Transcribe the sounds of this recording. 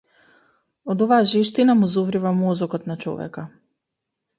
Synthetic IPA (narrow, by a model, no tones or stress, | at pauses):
ɔd̪ɔvaːʒɛʃt̪inamuzovɾivamɔzɔkɔt̪nat͡ʃɔ̰vɛ̰ka